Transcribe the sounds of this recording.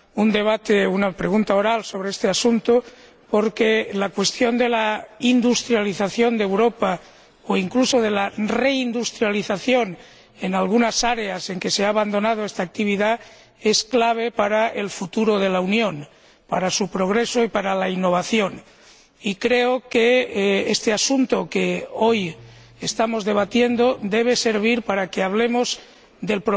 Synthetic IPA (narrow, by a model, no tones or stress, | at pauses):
und̪e̞β̞at̪eunapɾe̞ɣunt̪ao̞ɾalso̞β̞ɾeest̪easunt̪o | po̞ɾkelakwe̞st̪jo̞nd̪e̞laind̪ust̪ɾjaliθaθjo̞nd̪ewɾo̞pa | oiŋkluso̞ð̞e̞lare̞ind̪ust̪ɾjaliθaθjo̞n | e̞nalɣ̞unasaɾe̞ase̞ŋke̞seaːβand̪o̞nað̞oest̪aːk̚t̪iβiða | e̞sklaβ̞e̞paɾae̞lfut̪uɾo̞ðe̞launjõ̞n | paɾasupɾo̞ɣ̞ɾe̞so̞ipaɾalainːo̞β̞aθjo̞n | ikɾe̞okeest̪e̞asunt̪o̞keo̞j | est̪amo̞zðe̞β̞at̪je̞nd̪o̞d̪e̞β̞e̞se̞ɾβ̞iɾpaɾake̞aβ̞le̞mo̞z | d̪e̞lpɾo